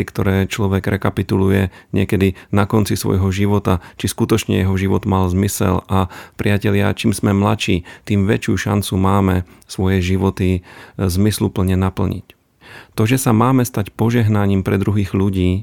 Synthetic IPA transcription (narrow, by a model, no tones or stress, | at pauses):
ikt̪ɔɾɛːt͡ʃlɔʋɛɡɾɛkapit̪ulujɛɲɪɛkɛd̪inakɔnt͡sisʋɔ̰jɦɔʒiʋɔt̪at͡ʃiskut̪ɔt͡ʃɲɛ̰jɛɦɔʒiʋɔd̪malzmisɛ̰lʔapɾɪacɛʎɪa̰t͡ʃiːmsmɛmlat͡ʃiːt̪iːmʋɛt͡ʃɪṵʃa̰nt͡sumaːmɛsʋɔjɛʒiʋɔt̪izmislupl̩ɲɛnapl̩ɲḭc | t̪ɔʒɛsamaːmɛst̪acpɔʒɛɦnaɲiːmpɾɛd̪ɾuɦiːɣʎuɟiː